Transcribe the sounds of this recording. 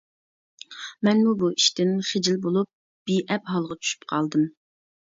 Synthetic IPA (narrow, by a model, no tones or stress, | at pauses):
mɛnmubuʔiʃt̪ɪnχed͡ʒilbolˠup̚ | b̥iʔɛpɦɑlˠʁɑt͡ʃʰy̥ʃy̥p̚qʰɑlˠd̪ɨm